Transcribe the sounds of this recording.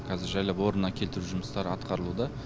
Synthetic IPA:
kʰɑzɪɾʒæjlˠɑpwo̞ɾənːɑkʲʰe̞lt̪ɪɾuʒʊməst̪ɑɾɑt̪qʰɑɾəlˠud̪ɑ

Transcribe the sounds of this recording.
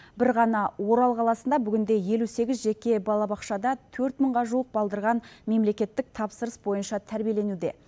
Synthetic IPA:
bɪɾʁɑnɑwo̞ɾɑlˠqʰɑlˠɑsənd̪ɑbʏɡʲɪnd̪e̞je̞luse̞ɡʲɪzʒe̞kʲe̞bɑlˠɑbɑqʃɑd̪ɑt̪ʰɵɾt̪məɴʁɑʒuwəq̚bɑlˠd̪əɾʁɑnme̞mle̞kʲe̞t̪ːɪk̚t̪ʰɑpsəɾəsbo̞jənʃɑt̪ʰæɾbije̞le̞nud̪e̞̰

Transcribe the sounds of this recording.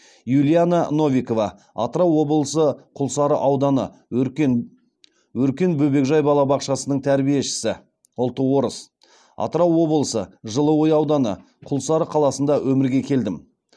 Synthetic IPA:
julʲˠijanano̞vʲiko̞vɑ | ɑt̪əɾɑwːo̞bəlˠəsəqʰʊlˠsɑɾəʔɑwd̪ɑnə̰ | wɵɾkʲe̞nbɵbe̞kʒɑjbɑlˠɑbɑqʃɑsənəɴt̪ʰæɾbije̞ʃɪ̥sɪ | ʊlˠt̪ːəwo̞ɾəs | ɑ̰t̪əɾɑwːo̞bəlˠəsəʒəlˠəwojɑwd̪ɑnə̰ | qʰʊlˠsɑɾəqʰɑlˠɑsənd̪ɑwʔɵmɪɾɡʲe̞kʲʰe̞ld̪ɪm

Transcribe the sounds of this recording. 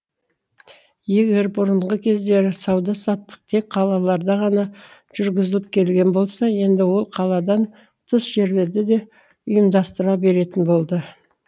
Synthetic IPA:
je̞ɡʲe̞ɾbʊɾəɴʁəkʲʰe̞zd̪e̞ɾsɑwd̪ɑsɑt̪ːə̥q̚t̪ʰe̞k̚qʰɑlˠɑlˠɑɾd̪ɑʁɑnɑʒ̥ʏɾɡʲɪzɪlɪp̚kʲʰe̞lɡʲe̞nbo̞lˠsɑje̞nd̪ɪwo̞lˠqʰɑlˠɑd̪ɑn | t̪ʰəsʒ̥e̞ɾle̞ɾd̪ɪd̪e̞ | ʊjəmd̪ɑst̪əɾɑbe̞ɾe̞t̪ɪnbo̞lˠd̪ə

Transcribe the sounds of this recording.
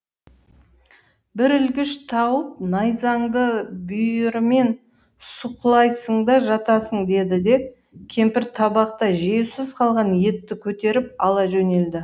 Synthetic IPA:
bɪɾʏlɡʲɪʃt̪ʰɑwəp̚nɑjzɑɴd̪əbʏjɪɾme̞n | sʊqlˠɑjsəɴd̪ɑʒɑt̪ɑsəɴd̪e̞d̪ɪd̪e̞p̚ | kʲʰe̞mpɪɾt̪ʰɑbɑqt̪ɑʒewsɪzqʰɑlˠʁɑnje̞t̪ːɪkʲʰɵt̪e̞ɾɪp̚ɑlˠɑʒɵne̞ld̪ɪ

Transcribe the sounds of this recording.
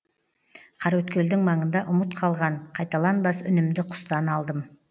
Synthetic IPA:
qʰɑɾwɵt̪kʲʰe̞ld̪ɪŋmɑɴənd̪ɑʔʊmət̪qʰɑlˠʁɑɴqʰɑjt̪ɑlˠɑnbɑsʏ̰nɪmd̪ɪqʰʊ̥st̪ɑnɑlˠd̪əm

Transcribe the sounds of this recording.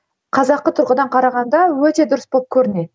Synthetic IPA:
qʰɑzɑqːət̪ʰʊɾʁəd̪ɑɴqʰɑɾɑʁɑnd̪ɑwɵt̪e̞d̪ʊɾəsbo̞lˠp̚kʲʰɵɾɪne̞ɪ

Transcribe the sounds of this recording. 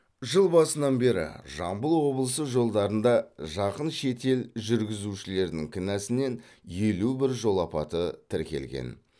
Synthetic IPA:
ʒəlˠbɑsənɑnbe̞ɾɪ̰ʒɑmbəlˠwo̞bəlˠəsəʒo̞lˠd̪ɑɾənd̪ɑʒɑqənʃe̞t̪e̞lʒʏɾɡʲɪzuʃɪle̞ɾd̪ɪŋkʲʰɪnæsɪne̞n | je̞lubɪɾʒo̞lˠɑpɑ̰t̪ət̪ʰɪɾkʲe̞̰lɡʲḛn

